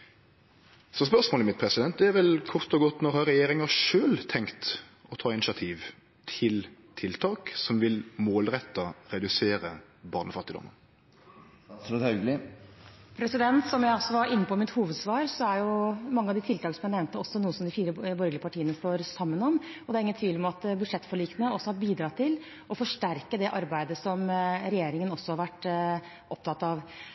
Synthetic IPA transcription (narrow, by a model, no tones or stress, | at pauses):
sɔspœʁsmoːləmɪt̪̚pʰɾɛsɪd̪ɛnt̪̚d̪ɛæʋɛlkʰʊʁt̪ɔɡɔt̪ːnɔɾhɑɾɛjeːɾɪŋɑʂøːlt̪ʰɛŋkt̪ | ɔt̪ʰɑːɪnɪsɑt̪ʰiːʋ | t̪ʰɪlt̪ʰɪlt̪ʰɑːksɔmʋɪlmoːlʁɛt̪ːɑɾɛd̪ʉseːɾə | bɑːnəfɑt̪ːɪd̪ɔ̰mːən | œɡlɪ | pʰɾɛsɪd̪ɛnt̪sɔmjæɪɑsːɔʋɑɾɪnːəpɔmɪt̪huːʋəd̪sʋɑːɾsɔæɾjʊmɑŋːəɑʋd̪ɪt̪ʰɪlt̪ʰɑːɡəsmjɛnɛʋmt̪əɔsːɔnuːəsɔmd̪ɪfiːɾəbɔɾɡlɪəpʰɑʈʰiːənəst̪oːɾsɑmːənɔmɔd̪ɛæɾɪŋənt̪ʰʋiːlmɑt̪bʉd̪ʂɛt̪ːfɔɭiːknəɔsːɔhɑɾbiːd̪ɾɑːt̪ʰɪl | ʔɔfɔʂʈæɾkəd̪ɛʔɑɾbæɪd̪əsɔmɾɛjeːɾɪŋənɔsːɔhɑɾʋæʈː | ʔɔp̚t̪ʰɑt̪ːɑʋ